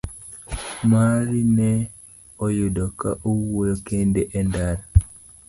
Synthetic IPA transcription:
maɾinɛ | ojudɔka̰ʔowojokendeʔɛndaɾa

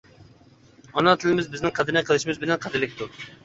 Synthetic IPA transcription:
ɑnɑt̪ʰɪlɪmɪzbɪznɪŋqʰæd̪ɨɾnɛqʰəlˠɨʃimɪzbɪlɛnqʰɑd̪ɪɾlɪk̚ʲt̪u

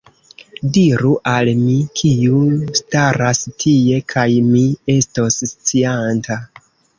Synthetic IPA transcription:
diɾuʔalmikʰiustaɾastʰie̞kʰajmie̞stosːt͡sianta

